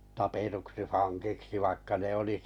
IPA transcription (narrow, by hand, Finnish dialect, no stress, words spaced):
tɑpetuksi fɑŋkiksi ʋɑikːɑ ne oli